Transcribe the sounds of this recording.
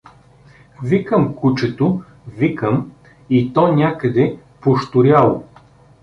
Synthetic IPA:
vikəmkut͡ʃɛt̪o | vikəm | it̪ɔnʲakəd̪ɛ | poʃt̪ʊɾʲjalˠo

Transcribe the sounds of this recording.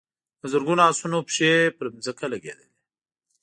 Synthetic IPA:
əzəɾɡunasunopʃepəɾmzəkalaɡḛd̪əli

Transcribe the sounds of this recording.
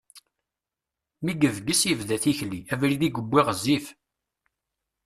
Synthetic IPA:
miɡəvɡəsjəvðæθiçliævɾiðiɡəbʷːiʁəzːif

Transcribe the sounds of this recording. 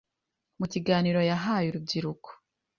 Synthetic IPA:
muciɡaːniɾo̞jaɦaːjuɾub̚ɟiɾuko̥

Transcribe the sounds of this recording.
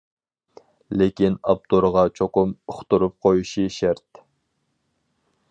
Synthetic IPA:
lekʲinɑp̚t̪oɾʁɑt͡ʃʰoqʊmʊχt̪uɾup̚qʰojuʃiʃɛɾt̪

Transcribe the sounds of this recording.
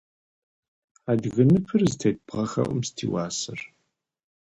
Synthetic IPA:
aːdɣɨnɨpʰɨrzɨtʰejt̚bʁɐxɐ̰ʔʷʊmstʰḭːwaːsɨr

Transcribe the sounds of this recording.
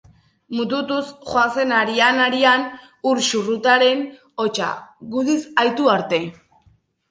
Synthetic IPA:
mut̪̬ut̪usxwanse̞naɾianaɾian | uɾʃurut̪aɾe̞n | ot͡ʃa̰ɣuðisajt̪uaɾt̪e̞

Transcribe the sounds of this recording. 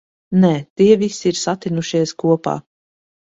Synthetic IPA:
nɛːt̪iɛvisiiɾsat̪inuʃiɛskuɔpa̰ː

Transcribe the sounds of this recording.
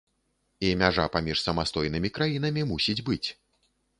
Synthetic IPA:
iɐmʲaʐa̰pamʲiʂsɐmast̪ɔjnɨmʲikɾajin̪ɐmʲimusʲid͡zʲbɨt͡sʲ

